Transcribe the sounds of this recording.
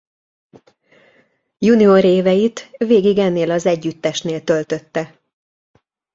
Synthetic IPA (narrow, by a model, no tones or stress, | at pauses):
junioɾeːvɛjit̪veːɡiɡɛnːeːlɒzɛɟːyt̪ːɛʃneːlt̪ø̞lt̪ø̞t̪ːɛ